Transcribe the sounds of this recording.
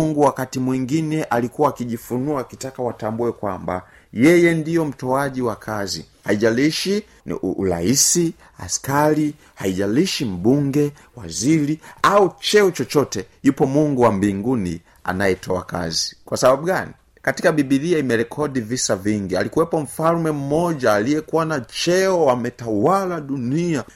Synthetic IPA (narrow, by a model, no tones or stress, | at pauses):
ŋɡuwakatimwiŋɡinɛʔalikuwaːkiʄifunuakitakawatambuɛkwamba̰ | jɛjɛndijɔm̩tɔaʄiwakʰazḭ | haiʄaliʃi | ṵla̰isi | a̰skali | haiʄaliʃim̩ɓuŋɡɛ | waziɾiaut͡ʃɛɔt͡ʃɔt͡ʃɔtɛjupɔmuŋɡuwambiŋɡuni | a̰najɛtʰɔa̰ka̰zikwasaɓaɓuɡani | katikaɓiɓiðiaimɛɾɛkʰɔɗivisaviŋɡia̰likuwɛpɔɱ̩falmɛm̩mɔʄaːlijɛkuwanat͡ʃɛɔwamɛtawalaɗunia